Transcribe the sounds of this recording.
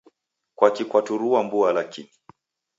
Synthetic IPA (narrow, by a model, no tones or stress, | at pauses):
kwakikwatuɾuambualakini